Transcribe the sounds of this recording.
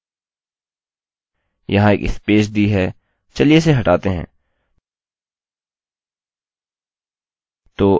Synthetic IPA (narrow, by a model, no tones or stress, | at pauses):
jɐɦãḛːkɪ̰speːʃd̪iɦɛː | t͡ʃɐlies̬eɦɐʈaːt̪eɦɛ̰̃ː | t̪oː